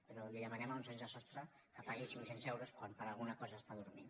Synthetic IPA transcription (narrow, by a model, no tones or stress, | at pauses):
peɾɔliðəmənɛmaunzaɲzðəsɔst̪ɾə | kəpaɣisiŋsɛnzɛwɾoskwanpəɾalˠɣunəkɔzəːst̪aðuɾmin